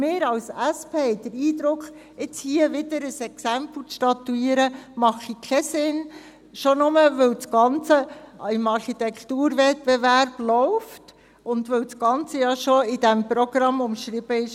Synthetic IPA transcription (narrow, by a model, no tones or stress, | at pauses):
mɪːɾɑlsæspʰeːhɛɪd̪̥əɾiːd̪ɾʊkχ | ɪt͡shiəʋɪd̪əɾəsɛksæmpl̩t͡sʃtɑtːuiːəɾəmɑχikʰɛsɪn | ʃonʊməʋɵlt͡sɡ̥ɑnt͡səɪmɑɾχit̪ɛkʰtuːɾvɛt̚b̥ɛværb̥lɔʊft | ʊnd̪ʋɵwsɡ̥ɑnt͡səjɑʃoɪdæmpɾɔɡ̥ɾɑmːʊmʃɾɪb̥əɪʃ